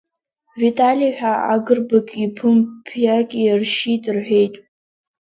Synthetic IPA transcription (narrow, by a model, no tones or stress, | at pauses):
vitʼaliħʷᶣaa̰ɡɨrbakʲʼipʰɨmpʰjakʲʼirʃitʼɨrħʷᶣe̞jtʼ